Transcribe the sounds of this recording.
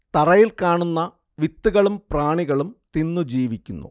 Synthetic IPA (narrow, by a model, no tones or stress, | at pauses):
t̪ɐrɐjilkaːɳunːɐ | ʋit̪ːuɣɐɭumpraːɳiɣɐɭumt̪inːud͡ʑiːʋikʲːunːṵ